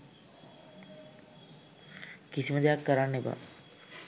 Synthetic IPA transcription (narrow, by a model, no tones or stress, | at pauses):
kisiməd̪ejakːəɾanːeba̰